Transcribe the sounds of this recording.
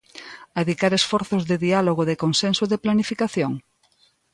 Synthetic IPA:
aeðikaɾesfɔɾθozðɪðialoɣ̞oðekonsensoðeplanifikaθjoŋ

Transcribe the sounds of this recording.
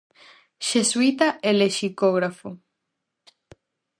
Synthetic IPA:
ʃeswit̪aʔeleʃikoɣɾafo

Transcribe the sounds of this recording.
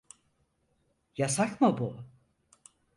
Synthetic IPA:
jasakmabu

